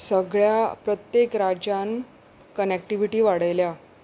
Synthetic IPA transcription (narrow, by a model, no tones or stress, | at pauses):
səɡɭjapɾət̪jekɾad͡ʑan | kənek̚ʈiʋiʈiːʋaɽəjlja